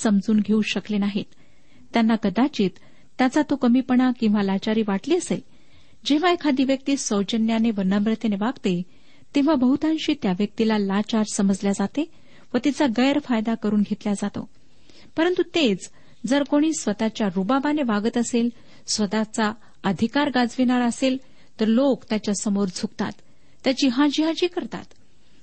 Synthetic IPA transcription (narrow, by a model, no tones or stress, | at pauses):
səmd͡zuːnɡʱeuɕəklenaɦit̪ | t̪janːakəd̪at͡ɕiːt̪ː | jat͡sat̪okəmiːpəɳakĩw̃ʋalat͡ɕaɾiːʋaʈliːəsel | d͡ʑeʋ̤aekʰad̪iʋjək̚t̪iːsəwd͡ʑənjaneʋənabɾət̪eneʋaɡt̪e | t̪ẽʋ̤abʱəɦut̪ãnɕiːt̪jaʋjək̚t̪ilalat͡ɕaɾsəməd͡zljad͡zat̪e | ʋət̪it͡saɡəjəɾfajd̪akəɾuːnɡʱet̪ljad͡zat̪o̰ | pəɾənt̪ut̪et͡s | d͡zəɾkoɽ̃iːsʋət̪at͡ɕjaɾubabaneʋaɡət̪əsel | sʋət̪at͡sa | əd̪ʱikaɾɡad͡zʋinaɭəsel | t̪əɾlokt̪jat͡ɕjasəmoɾd͡zʰʱukt̪a̰t̪ː | jat͡ɕiːɦãd͡ʑiɦad͡ʑiːkəɾt̪a̰t̪